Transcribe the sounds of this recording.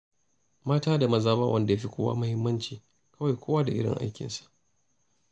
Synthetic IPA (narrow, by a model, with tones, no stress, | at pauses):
maː˦taː˦da˨mɐ˨zaː˦ma˦wʔɐ˦nda˨ja˦ɸi˦kʷoː˦wa̰ː˦mʊ˦hɪ˦mːɐ˦nt͡ʃiː˨ | kɐ˦wa˨jkʷoː˦waː˦da˨ʔɪ˦ɽɪ̰˨ŋʔa̰˦jkʲɪ̰˨nsḁ˨ʔ